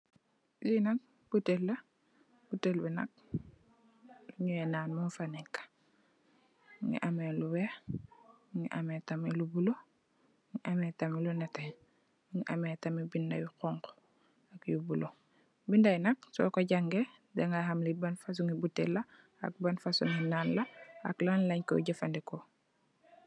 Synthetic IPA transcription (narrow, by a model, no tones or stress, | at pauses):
jinak̚ | b̥utelːɐ | butelbɛnɐ̰k̚ | luɲuɛnaːnmunfanɛkːḁ | ŋḭʔameluwɛ | ŋiʔametamilubulo | ŋiʔametamilunɛte | ŋiʔametamibindawikɔŋko̥ | akjubulo | bindajnɐk̚sɔ̰koɟaŋɡe | deŋaɦamlibanfas̬uŋibutːḛla | a̰k̚banfasuŋinaːnlaa̰klanlaɲko̰ɟafandiko